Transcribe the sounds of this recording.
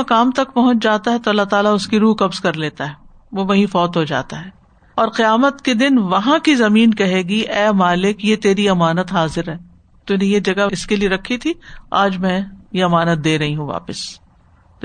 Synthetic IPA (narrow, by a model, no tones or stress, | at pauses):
kaːmt̪ɐk̚pɐɦʊ̃t͡ʃd͡ʒaːt̪aɦɛt̪oɐlːaɦt̪aːlaʊskiɾuːkɐbzkɐɾleːt̪aɦɛː | ʋoʋɐɦĩfɔːt̪ɦod͡ʒa̰ːt̪aɦɛː | ɔːɾqɪjaːmət̪ked̪ɪnʋɐɦãkizɐmiːnkɐɦeːɡiʔɛːmaːlɪkjet̪eːɾiɐmaːnət̪ɦaːzɪɾɦɛː | t̪unẽjed͡ʒɐɡaɪskelieɾɐkʰːit̪ʰiaːd͡ʒmɛ̃jeɐmaːnət̪̚d̪eːɾɐɦiɦũʋa̰ːpɪs